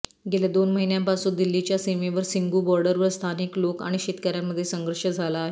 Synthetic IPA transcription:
ɡelad̪onməɦinjãmpasuːd̪ilːit͡ɕjasimeʋəɾsiŋɡubɔɾɖəɾʋəɾst̪ʰanikloka̰ɽ̃iɕet̪kaɾjaməd̪ʱːjesəŋɡəɾʂəd͡zʱalaːɦe

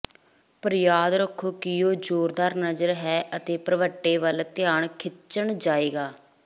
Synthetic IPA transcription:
pəɾjaːd̪ɾəkʰːoːkɪjoːd͡ʒoːɾd̪aːɾnəzəɾɦɛːʔət̪eːpɾəʋəʈːeːʋəlt̪ɪjaːɳkʰɪt͡ʃəɳd͡ʒaːeːɡaː

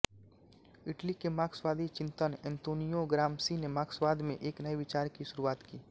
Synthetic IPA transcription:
ɪʈlikemaːkswaːd̪ʱit͡ʃɪ̃nt̪ənɛ̃nt̪oːnijoɡɾaːmsinemaːkswaːd̪ʱmẽʔeːknɐiʋɪt͡ʃaːɾkiʃʊɾuaːt̪kiː

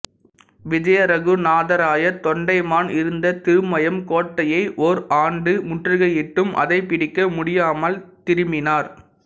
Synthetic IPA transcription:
ʋɪd͡ʒɐjɐɾɐɣɯnaːðɐɾaːjɐt̪ɔɳɖɐɪmaːnɪɾɯnd̪ɐt̪ɪɾɯmɐjɐmkoːʈːɐjɐɪʔɔɾʔaːɳɖɯmʊʈrɯɣɐjɪʈːɯmʔɐ̰ðɐɪpːɪɽɪkːɐmʊɽɪjaːmɐlt̪ɪɾɯmɪnaːɾ

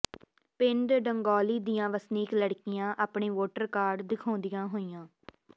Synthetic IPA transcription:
pɪɳɖɖəŋɡɔːliːd̪iːãːʋəsniːkləɽkɪjãːʔaːpɳiːʋoːʈəɾkaːɾɖd̪ɪkʰõːnd̪ɪjãːɦoːijãː

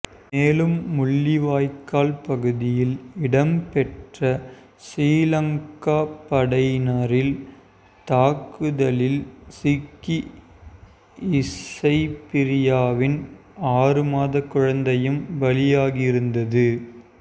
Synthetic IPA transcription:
meːlɯmːʊɭːiʋaːjkːaːlpɐɣɯðɪjɪlɪɽɐmpɛʈrɐ | sɾiːlɐŋkaːpɐɽɐɪnɐɾɪl | t̪aːkɯðɐlɪlsɪkːi | ɪsɐɪpɪɾɪjaːʋɪn | aːrɯmaːðɐkːɯɻɐnd̪ɐjɯmʋɐlɪjaːɣɪɪɾɯnd̪ɐðɯ

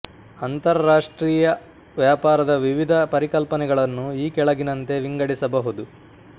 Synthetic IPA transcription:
ɐnt̪ɐɾɐɾaːʂʈɾiːjɐ | ʋjaːpaːɾɐd̪ɐʋiʋid̪ʱɐpɐɾikɐlpɐnɛɡɐɭɐnːuiːkɛɭɐɡinɐnt̪e̞ʋiŋɡɐɽisɐbɐɦud̪u

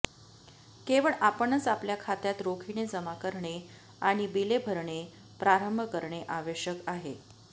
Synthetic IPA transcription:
keʋəɭʔapənːət͡sapljakʰat̪jat̪ɾokʰined͡zəmakəɾɳe | aɽ̃ibilebʱəɾɳe | pɾaɾəmbʱəkəɾɳeʔaʋeɕjəkaɦe

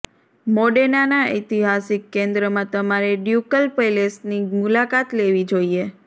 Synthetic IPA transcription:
moɖenanaə̰t̪iɦasikːẽnd̪ɾəmãt̪əmaɾeɖjukəlpelesnimulakat̪leʋid͡ʒoie

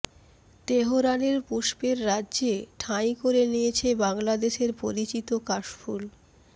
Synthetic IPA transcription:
t̪eɦoɾaneɾpuʃpeɾːadːd͡ʑeʈʰajkoɾenijet͡ɕʰebaŋlad̪eʃeɾpoɾit͡ɕit̪okaʃfʰul

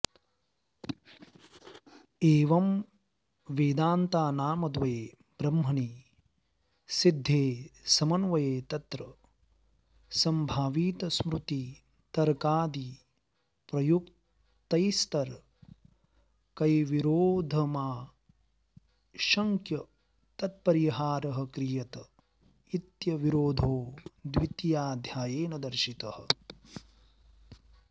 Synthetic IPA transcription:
eːʋɐm | ʋeːd̪aːnt̪aːnaːmɐd̪ʋɐeeː | bɾɐmːɐni | sid̪ʱːeːsɐmɐnʋɐjeːt̪ɐt̪ɾɐ | sɐmbʱaːʋiːt̪ɐsmɾut̪i | t̪ɐɾkaːd̪i | pɾɐjukt̪ | t̪ɐjst̪ɐɾ | kɐjʋiɾoːd̪ʱɐmaː | ʃɐŋkjɐ | t̪ɐt̪̚pɐɾiɦaːɾɐɦɐ̆kɾijɐt̪ɐ | it̪jɐʋiɾoːd̪ʱoːd̪ʋit̪jaːd̪ʱjaːjeːnɐd̪ɐɾʃit̪ɐhɐ̆

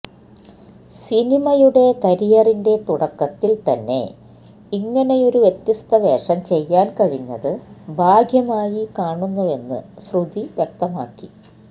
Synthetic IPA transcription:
sinimɐjuɽe̞kɐɾijɐrinde̞t̪uɽɐkːɐt̪ːilt̪ɐnːe̞̰ | iŋːɐne̞jo̞ɾuʋjet̪ːist̪ɐʋe̞ːʂɐmt͡ɕe̞jːaːnkɐɻiɲːɐ̰ðɨbʱaːɡʱjɐmaːjikaːɳunːuʋe̞nːɨ̰srud̪iʋjek̚t̪ɐmaːkːi

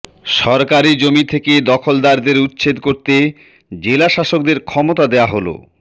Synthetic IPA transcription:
ʃɔɾkaɾid͡ʑomit̪ʰeked̪ɔkʰold̪aɾd̪eɾutːɕʰed̪koɾt̪e | d͡ʑelaʃaʃok̚d̪eɾkʰɔmot̪ad̪eaɦolo̰

